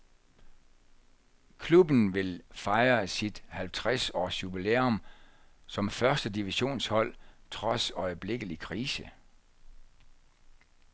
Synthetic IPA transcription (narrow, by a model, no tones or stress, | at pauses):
kʰlub̥n̩ʋe̝lfɑ̈ɪɐsid̥hælt͡sʰʁasɒ̰ːsjub̥ileːɔm | sɒ̽mfɶɐsd̥əd̥iʋiɕo̝̰ːnshɒ̽l̰t͡sʰʁɒ̽sɒ̽ɪəb̥le̝ɡ̥əlikʰʁiːsə